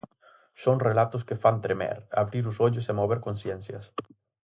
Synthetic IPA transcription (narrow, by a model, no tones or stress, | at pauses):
sõŋrelat̪ʊskefant̪ɾemɛ̰ɾa̰βɾiɾʊsoʎʊsemoβ̞eɾkõnsjẽnsjɐs